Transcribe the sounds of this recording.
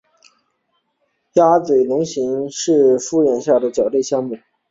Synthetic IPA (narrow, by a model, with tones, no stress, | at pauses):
ja˥t͡swe˨˩ɪlʊ˧˥ŋɕi˧˥ŋʂɻ̩˥˩fu˥˧ɻjɛ˨˩nɕja˥˩d̪ə˩t͡ɕjɑ˨˩ʊt̪e˥˧ɪɕjɑ˥˧ŋmu˥˩